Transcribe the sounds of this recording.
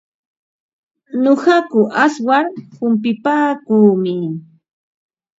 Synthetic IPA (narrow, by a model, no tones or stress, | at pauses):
noɢɑkʊʔaswaɾhʊmp̬ɪpaːkuːmɪ